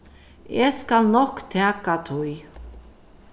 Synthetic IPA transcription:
eskalnɔhkt̪ʰɛːkat̪ʰuj

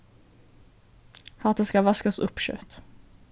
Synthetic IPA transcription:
hɑːt̪ɛskavaskasɵ̰pːɕœ̰ːt̪

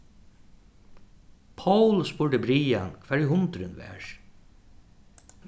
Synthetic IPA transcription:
pʰawlspʊɹɖəbɾiːa̰nkʰʋɛːɹiɦʊnt̪ɾʏnʋɛ̰ːɹ

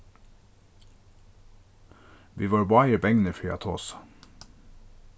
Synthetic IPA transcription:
ʋiːʋɑːɹbɑɪəbɛŋnəfyːɑ̰t̪ʰo̰ːs

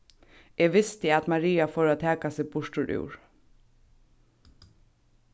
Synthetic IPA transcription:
eːʋɪst̪ɪæt̪maɾiːafoːɾaːt̪ʰæːkasɪːɡbʊʂʈʊɹʔʉ̰ːɹ

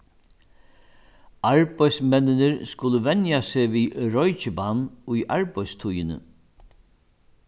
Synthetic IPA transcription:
aɹpajsmɛnːɪnɪɾskʊləʋɛnjaseːʋiɾɔjt͡ʃɪbanːʊjʔa̰ɹpajst̪ʰʊjɪnə̰

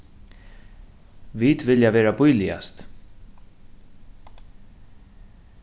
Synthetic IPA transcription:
ʋiːt̪ʋɪljaʋeːɾabʊjlɪa̰st̪

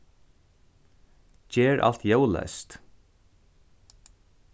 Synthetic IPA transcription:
d͡ʒɛːɹʔa̰l̥t̪jœwlɛ̰st̪

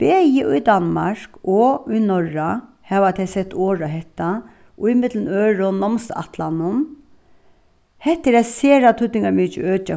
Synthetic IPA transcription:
b̥eːjɪʔʊjd̪anma̰ɹ̥kɔʊjnɔɹa | hɛːʋat̪ʰɛjsɛt̪ːoːɹaɦɛht̪a | ʔʊimɪt̪lənøːɹʊnɔmsa̰t̪lanʊm | hɛht̪ːɪɾɛseːɾat̪ʰʊt̪ːɪŋɡamiːt͡ʃɪ̰øːt͡ʃa

